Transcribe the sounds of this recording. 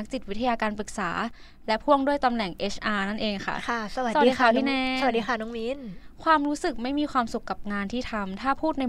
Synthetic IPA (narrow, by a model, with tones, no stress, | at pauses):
k̚t͡ɕi˨˩t̪̚wi˦˥t̪ʰa˧jaː˧kaː˧npɯ˨˩k̚sa̰ː˩˦ | lɛ˦˥pʰu˥˩əŋdu˥˩əjt̪a˧mnɛ˨˩ŋʔeː˦˥sʰʔaː˧na˥˩nʔeː˧ŋkʰa̰˥˩kʰa˥˩sa˧a˨˩a˧˨˩idːa˧˩pʰiː˥˦˥nɛː˧˥a˧˨˩diː˧kʰa˥˩nɔ˨˦˥ŋmi˦˥nkʰwaː˧mɾuː˦˥sɯ˨˩k̚ma˥˩jmiː˧kʰwaː˧msu˨˩kːa˨˩p̚ŋaː˧nt̪ʰiː˥˩t̪ʰa˧mt̪ʰaː˥˩pʰuː˥˩t̪̚na˧